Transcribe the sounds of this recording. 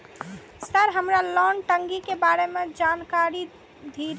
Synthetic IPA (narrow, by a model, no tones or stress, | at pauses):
səɾɦəmɾalɔnʈəŋɡikebaɾemed͡ʒankaɾi | d̪ʱiɾ